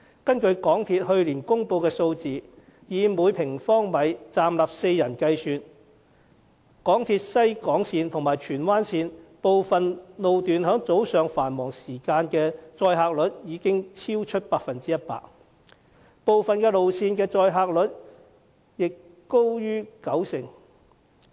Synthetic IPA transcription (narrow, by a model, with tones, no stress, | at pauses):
kɐ˥nkɵ˧ɥkɔː˨˥ŋt̪ʰiː˧t̚hɵ˧ɥliː˨˩nkʊ˥ŋpo˧wkɛː˧so˧wt͡siː˨ | jiː˨˧muː˨˧˥jpʰɪ˨˩ŋfɔː˥ŋmɐ˨˧jt͡saː˨˧mlaː˨p̚se˧jjɐ˨˩nkɐ˧jsyː˧t̚ | kɔː˨˥ŋt̪ʰiː˧t̚sɐ˥jkɔː˨˥ŋsiː˧nt̪ʰʊ˨˩ŋmaː˨˩jt͡ʃʰyː˨˩nwaː˥nsiː˧npo˨wfɐ˨nlo˨wt̪yː˨nɦœː˨˥ŋt͡so˨˥wsœː˨ŋfaː˨˩nmɔː˨˩ŋsiː˨˩kaː˧nkɛː˧t͡sɔː˧jɦaː˧k̚lɵ˨˥t̚jiː˨˧kɪ˥ŋt͡sʰiː˥wt͡ʃʰɵ˥t̚paː˧k̚fɐ˨nt͡siː˥jɐ˥t̚pa̰ː˧k̚ | po˨˧wfɐ˨nkɛː˧lo˨wsʰiː˧nkɛː˧t͡sɔː˧jɦaː˧k̚lɵ˨˥t̚ | jɪ˨k | ko˥wjyː˥kɐ˨˥wsɪ˨˩ŋ